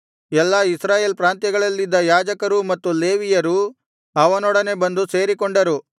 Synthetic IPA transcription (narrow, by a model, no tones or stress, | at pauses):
ɛlːɐisɾaːje̞ːlpɾaːnt̪jɐɡɐɭɐlːid̪ːɐjaːd͡ʒɐkɐɾumɐt̪ːule̞ːʋijɐɾu | ɐʋɐnɔɽɐne̞bɐnd̪use̞ːɾikoɳɖɐɾu